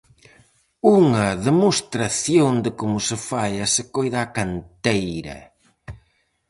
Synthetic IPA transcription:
uŋɐðemost̪ɾaθjoŋd̪ɪkomʊsɪfaʎɐsɪkojðaːkant̪ejɾɐ̰

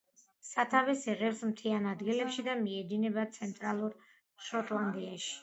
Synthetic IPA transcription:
sat̪ʰavɛsɛʁɛfsmt̪ʰianad̪ɡilɛpʃid̪amiɛd̪inɛbat̪sʰɛnt̪ʼɾalˠuɾ | ʃɔt̪ʼlˠand̪iaʃi̥

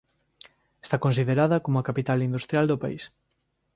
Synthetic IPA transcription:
est̪akõnsiðeɾaðɐkomʊakapit̪alind̪ust̪ɾjald̪opaḭs

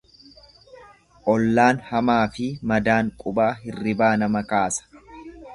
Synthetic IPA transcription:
ʔɔlːaːnhɐmaːfɪmɐd̪aːŋkʼʊbaːɦɪrːɪbaːnɐmɐkaːsɐ̥

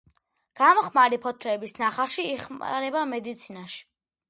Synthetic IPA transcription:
ɡ̥amɔχmaɾipʰɔt̪ʰɾɛːbisnaχaɾʃiːχma̰ɾɛbamɛd̪it̪sʰinaʃi̥

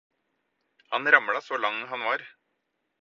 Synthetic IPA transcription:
hɑnɾɑmɭɑsoːlɑŋːɦɑnʋɑːɾ

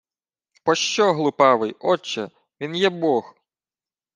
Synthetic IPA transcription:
pɔʃt͡ʃɔɦlˠʊpɑʋɪjɔt͡ʃːɛ | ʋʲinjɛbɔx

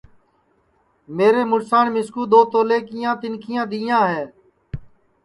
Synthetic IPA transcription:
meːɾeːmʊɽsaːɳmɪskuːd̪oːt̪oːleːkɪjãːt̪ɪnkʰɪjãːd̪iːjãːɦɛː

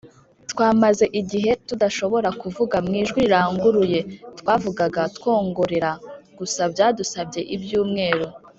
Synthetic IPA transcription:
tkwaːmaze̞ʔiɟiɦe̞tudaʃo̞βo̞ɾakuvuɡamŋiːʒɡwiɾaːŋɡuɾuje̞tkwaːvuɡaɡatkwo̞ːŋɡoɾeɾaɡ̥usabjaːdusabɟe̞ʔibjuːmŋe̞ːɾo

